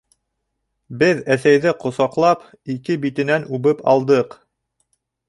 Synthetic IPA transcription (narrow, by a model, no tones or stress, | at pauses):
bɘðæθæjðɘqŏsɑqlˠɑp | ikɘbit̪ɘ̆nænʉβɘpɑ̰lˠd̪ɤq